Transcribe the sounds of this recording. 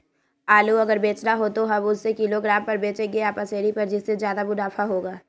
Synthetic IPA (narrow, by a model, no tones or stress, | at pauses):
aːluɐɡəɾbeːt͡ʃnaɦot̪oɦɐbʊsːekɪloɡɾaːmpɐɾbeːt͡ʃeɡeaːpəseːɽipɐɾd͡ʒɪsːezjaːd̪abʊdaːfʰaɦoːɡaː